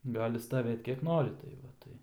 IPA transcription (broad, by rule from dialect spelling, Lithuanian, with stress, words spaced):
ˈɡɑːlʲɪ stɐˈʋʲeːt kʲiɛk ˈnoːrʲɪ tɐɪ ˈʋɐ ˈtɐɪ